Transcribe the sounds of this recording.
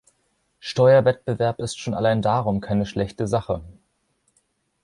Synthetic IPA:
ʃtɔʏɐvɛt̚b̥əvɛɐpɪstʃoːna̰laɪndaːʁʊmkʰaɪnəʃlɛçtəzaχə

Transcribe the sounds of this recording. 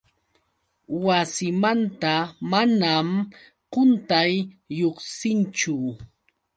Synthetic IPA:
wasɪmant̪amanam | qʊnt̪ajːoχsɪnt͡ʃʊ

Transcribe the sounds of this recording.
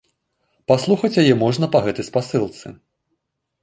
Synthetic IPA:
paslˠuxɐt͡sʲjajɛmɔʐnɐpɐɣɛt̪ɐjspasɨlˠt̪sɨ̰

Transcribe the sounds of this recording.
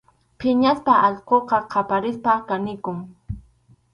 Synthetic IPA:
pʰɪɲaspaʔɑʎqoqɑqʰɑpaɾɪspakanɪkʊŋ

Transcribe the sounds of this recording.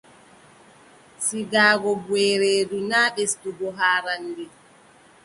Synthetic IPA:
siɡaːɡɔbwɛɾeːdunaːɓesduɡɔɦaːɾanːdi

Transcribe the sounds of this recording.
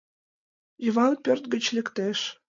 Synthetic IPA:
jəvɑnpʲørt̪̚ɡə̆t͡ɕlʲɘ̆kt̪eʃ

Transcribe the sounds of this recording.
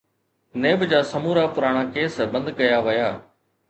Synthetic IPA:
neːbd͡ʑaːsɐmuːɾaːpʊɾaːɽ̃aːkeːsbə̃nd̪kɐjaːʋɪjaː

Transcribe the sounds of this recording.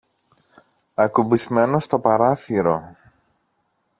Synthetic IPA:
ɐkubizme̞no̞st̪o̞pɐɾɐθiɾo̞

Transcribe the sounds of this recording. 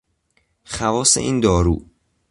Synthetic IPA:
xævɒːsḛʔiːnd̪ɒːɾṵː

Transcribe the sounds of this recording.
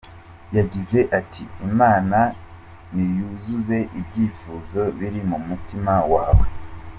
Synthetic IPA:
jaɟize̞ʔatʰiimaːna | nijuzuze̞ʔibɟiːfuːzo̞βiɾimumutimawaːwe

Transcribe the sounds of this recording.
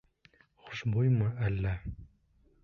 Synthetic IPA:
χʊ̥ʃbujməælːæ

